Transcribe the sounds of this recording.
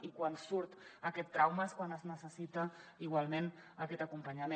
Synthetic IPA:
ikwansuɾt̪əkɛt̪ːɾawməskwanəznəsəsit̪əiɣ̞walˠmen | əkɛt̪əkumpəɲəme

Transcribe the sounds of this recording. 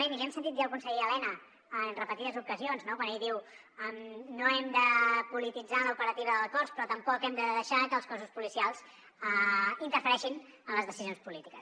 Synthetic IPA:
emiʒɛmsənt̪it̪̚iəlˠkunsəʎiəlɛnə | ənrəpət̪iðəzukəzionznokwaneʎdiw | əmnoɛmd̪əpulit̪id͡zaləupəɾət̪iβ̞əðəlˠkɔrspɾɔt̪əmpɔkɛmd̪əðəʃakəːlˠskɔsuspulisialˠz | əint̪əɾfəɾɛʃin | əmləzðəsizjonspulit̪i̥kəs

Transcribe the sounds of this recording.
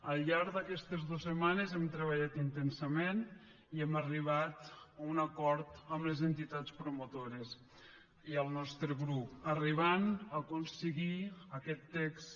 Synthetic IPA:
əlˠʎaɾðəkɛst̪ezðosəmanəzɛmt̪ɾəβ̞aʎat̪int̪ensəmen | iɛməriβat̪əunəkɔɾt̪əmləzənt̪it̪at͡spɾumut̪oɾes | iəlˠnɔst̪ɾəɣɾupəriβanəkonsəɣiəkɛt̪ːɛks

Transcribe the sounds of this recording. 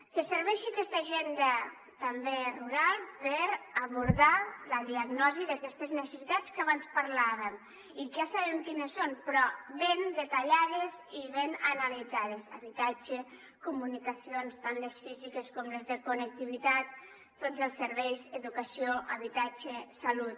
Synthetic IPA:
kesəɾβɛʃiakɛst̪aʒend̪ə | t̪əmberuɾalˠpeɾaβuɾðaləðiaɡnɔziðakɛst̪eznəsəsit̪at͡skəaβanspaɾlaβem | iʒasaβɛmkinəsːonpɾɔβend̪ət̪aʎaðeziβenɐnalid͡zaðezəβit̪ad͡ʒe | kumunikəsionst̪anlesfizikeskɔmlezðəkunək̚t̪iβit̪at̪ː | ozəlˠsːəɾβɛjzəðukəsioəβ̞it̪ad͡ʒesalut̪̚

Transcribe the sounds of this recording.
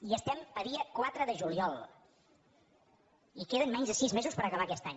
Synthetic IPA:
iəst̪ɛməð̞iəkwat̪ɾəðəʒuliɔlˠ | ikeðənmɛɲzðəsizmezuspəɾəkəβakɛst̪aɲ

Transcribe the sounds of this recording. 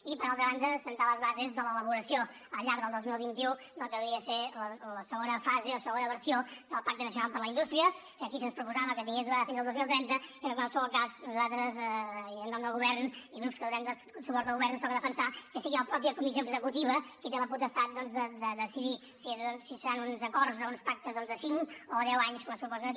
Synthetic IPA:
ipəɾalˠt̪ɾəβand̪əsənt̪aləzβazezðələləβuɾəsio | əʎːaɾɡðəlˠd̪ozmilˠβint̪iu | d̪əlk̪əɾiəseələsəɣonəfazeosəɣonəβəɾsiod̪əlˠpak̚t̪ənəs̬iunalˠpəɾləind̪ust̪ɾiə | kəkis̬ənspɾupuzaβəkət̪̬iŋɡezuafinzəlˠd̪ozmilˠt̪ɾɛnt̪əəkwalˠsəβɔlˠkaznuzat̪ɾəziənnõmd̪əlˠɣuβɛrniɣɾupskəðuɾɛmd̪ə | supɔɾt̪ðəlɣuβɛrnəst̪ɔkəðəfənsakəsiɣiəlˠpɾɔp̬jəkumizioəɡzəkut̪iβəkət̪eləput̪əst̪at̪̚d̪ɔnzd̪əd̪əd̪əsiði | siezunsisəɾanunzəkɔrzounspak̚t̪əzðɔnzðəsiŋkoðɛwaɲskɔməspɾupɔzənək

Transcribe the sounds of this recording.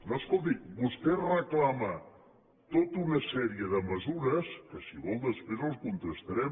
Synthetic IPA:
noskolˠt̪̬ibust̪ɛrəklamə | t̪ot̪unəsɛɾiəðəməzuɾəskəsiβɔlˠd̪əspɾezəlˠskunt̪ɾəst̪əɾɛm

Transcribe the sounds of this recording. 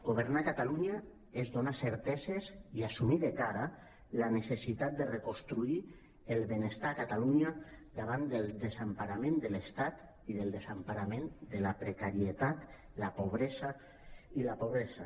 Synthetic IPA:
ɡ̥oβ̞əɾnakat̪aluɲa | ezðonaseɾt̪ɛzeziasumiðekaɾa | lanesesit̪at̪̚d̪erekonst̪ɾui | elˠβenest̪aːkat̪aluɲad̪aβ̞and̪elˠd̪ezampaɾamẽnd̪əlest̪at̪ | iðəlˠd̪ezampaɾamẽnd̪elapɾekaɾiet̪at̪ | lapoβɾɛza | ilapoβɾɛza

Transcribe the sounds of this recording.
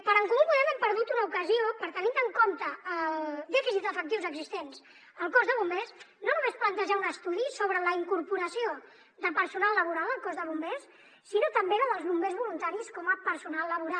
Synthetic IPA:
pəɾəŋkumupuðɛmɛmpəɾðut̪unəukəziopəɾt̪ənĩnd̪əŋkomt̪ə | d̪ɛfisizəfək̚t̪iwzəɡzist̪ens | əlˠkɔzðəβumbesnonumesplənt̪əʒaunəst̪uðisoβ̞ɾələiŋkuɾpuɾəsio | ðəpəɾsunalˠːəβ̞uɾalˠd̪əlˠkɔzðəβumbesː | inot̪əmbeðəðəlˠzβumbezβulunt̪aɾiskɔməpəɾsunalːəβ̞uɾalˠ

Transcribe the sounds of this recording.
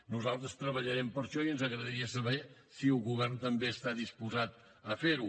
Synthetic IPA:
nuzalˠt̪ɾəst̪ɾəβəʎəɾɛmpəɾʃɔiənzəɣɾəðəɾiəsəβesilˠɣuβɛrnt̪əmbeəst̪aðispuzat̪ | əfeɾu

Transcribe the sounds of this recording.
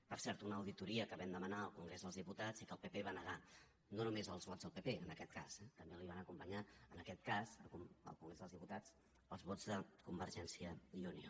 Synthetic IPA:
pəɾsɛɾt̪unəəwðit̪uɾiəkəβɛnd̪əmənaəlˠkuŋɡɾezðəlˠzðiput̪azikəlˠpepeβanəɣa | nonumezəlˠzβɔzðəlˠpepeənəkɛt̪̚kasɛt̪əmbeliβanəkumpəɲaənəkɛt̪̚kasəkumə̰lˠkuŋɡɾezðəlzðiput̪at͡s | əlˠzβɔzðəkumbəɾʒɛnsiəiunio

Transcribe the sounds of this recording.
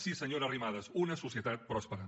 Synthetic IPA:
sisəɲoɾərimaðəzunəsusiət̪at̪̚pɾɔspəɾə

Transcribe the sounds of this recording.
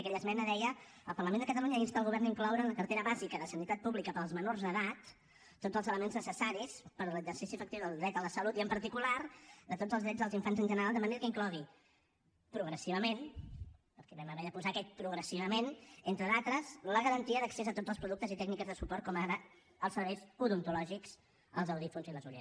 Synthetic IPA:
əkɛʎəzmɛnəðɛjəəlˠpərləmend̪əkət̪əluɲəinst̪əlˠɣuβɛrniŋklɔwɾənləkərt̪eɾəβazikəðəsənit̪at̪̚puβlikəpəlˠzmənorzðəðat̪ː | odd͡zəlˠzələmenznəsəsaɾispəɾləɡzəɾsisiəfəkt̪iwðəlˠd̪ɾɛt̪ələsəlut̪iəmpəɾt̪ikulard̪ət̪odd͡zzəlˠzðɾɛd͡zðəlˠziɱfanzənʒənəɾalˠd̪əməneɾəkəiŋklɔɣi | pɾuɣɾəsiβəmen | pəɾkɛβɛməβɛjəpuzakɛt̪̚pɾuɣɾəsiβəmenent̪ɾəðalˠt̪ɾəznoləɣəɾənt̪iəðəksezət̪od͡zzəlˠspɾuðuk̚t̪əzit̪ɛɡnikəzðəsupɔrt̪̚kːɔmaɾə | əlˠsəɾβɛjzuðunt̪ulɔʒikz̥ | ə̰lˠzəwðifunziləzuɾe

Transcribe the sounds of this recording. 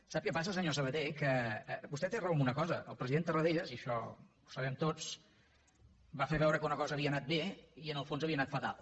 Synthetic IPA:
sap̚kəpas̬əsəɲosəβət̪ekəbust̪ɛt̪erɛuəmunəkɔzə̰ʔəlˠpɾəziðent̪ərəðeʎəziəʃɔ̰ | usəβɛmt̪ot͡s | bafeβɛwɾəkəunəkɔzəːβiənat̪̚beiənəlˠfonzəβiənat̪fət̪a̰lˠ

